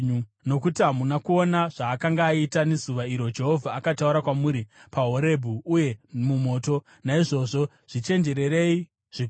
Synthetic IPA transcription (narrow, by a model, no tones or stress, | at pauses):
uno̞kutiɦamunakuo̞naʐaːkaŋɡaːitane̞zuʋaiɾo̞d͡ʒe̞ɦo̞vʱaːkatauɾakwamuɾipaɦo̞ɾe̞bʱuuje̞mumo̞ːto̞ | naiʐo̞ʐo̞ | ʐ̥it͡ʃe̞nd͡ʒe̞ɾe̞ɾe̞i | ʐ̥i